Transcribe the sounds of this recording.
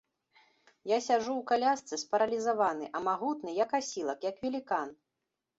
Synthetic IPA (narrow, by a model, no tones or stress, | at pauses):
jasʲaʐuwkalʲast̪sɨspɐɾɐlʲizavanɨʔɐmaɣut̪nɨjɐkasʲilˠɐkjɐkvʲɛlʲikan